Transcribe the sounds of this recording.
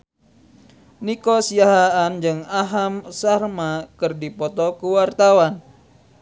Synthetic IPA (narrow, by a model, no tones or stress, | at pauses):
nikɔsiaɦaand͡ʒɨŋaɦamsarmakɨrdipɔt̪ɔkuwart̪awan